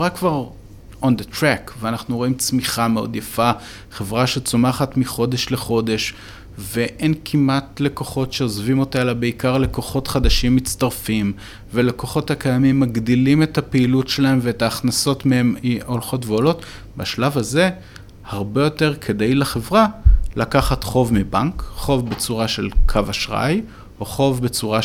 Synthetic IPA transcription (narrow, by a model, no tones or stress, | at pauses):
evʁakvaʁ | ʔo̞nd̪et̪ʁɛkveanaχnuʁo̞imt͡smiχameo̞̰d̪jafa | χe̞vʁaʃet͡somaχatmiχo̞de̞ʃle̞χo̞de̞ʃ | ve̞ʔenkʰimʔatle̞ko̞χo̞tʃe̞o̞zvimo̞talabe̞ikaʁle̞ko̞χo̞tχad̪aʃimːit͡staʁfim | veleko̞χo̞thakajamimːaɡd̪ilime̞thapeilutʃelae̞mveetaːχnaso̞tmeemio̞lχo̞tveolo̞t | baʃlavaze̞ | haʁbe̞jo̞te̞ʁkʰe̞d̪ejleχe̞vʁalakaχatχo̞vmibankχo̞vbet͡suʁaʃe̞lkʰavaʃʁa̰j | oχo̞vbe̞t͡suʁa